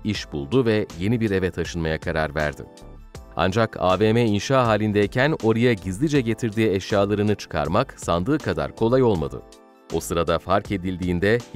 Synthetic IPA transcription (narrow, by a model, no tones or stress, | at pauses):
iʃbulˠd̪uvɛje̞nibiɾe̞vɛt̪ʰaʃɯnmajakʰaɾaɾvæ̰ɾd̪ɪ̰ | a̰nd͡ʒakʰa̰ːveːmɛinʃaːɦaːlʲind̪ɛicʰæno̞ɾajaɟizlʲid͡ʒɛɟe̞t̪ʰiɾd̪iːɛʃjaːlˠaɾɯnɯt͡ʃʰɯ̥kʰa̰ɾmaksand̪ɯːkʰad̪a̰ɾkʰo̞lˠajo̞lˠma̰d̪ɯ̰ | o̞sɯɾad̪afaɾke̞d̪ilʲd̪iːnd̪ɛ